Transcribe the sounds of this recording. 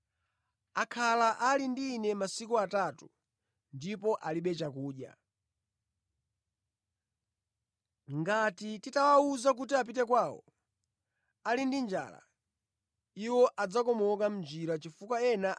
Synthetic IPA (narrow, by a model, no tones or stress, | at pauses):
akʰalaʔalindiːnɛmasikuatatu | ndipɔʔaliɓɛt͡ʃakuːɗja̰ | ŋɡatititawauzak̬utiap̬itɛkwaːwɔ̰ | alindind͡ʒa̰la̰ | iwɔʔad͡zakɔmɔkam̩d͡ʒiɾat͡ʃifukwaɛna